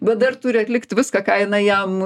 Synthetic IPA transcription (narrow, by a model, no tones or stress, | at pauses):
bʲɛd̪ɐrt̪ʊːɾʲɪɐt̪ʲlʲɪkt̪ʋʲɪskɐkɑːɪnɐɪjɛm